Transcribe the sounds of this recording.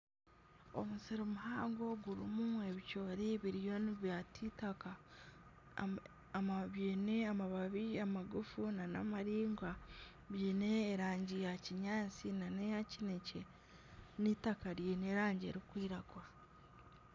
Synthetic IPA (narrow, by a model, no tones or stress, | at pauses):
o̞̰musiɾomuɦaːŋɡo̞ɡuɾimume̞βicoːɾiβiɾijo̞niβjatʰitaka | maβjeːne̞amaβaβiamaɡufunana̰maɾiːŋɡwa | βjeːne̞ːɾaːɲɟijaciɲaːt͡sinanejacinece | nitakaɾjene̞ɾaːɲɟḛɾikwiːɾaɡwa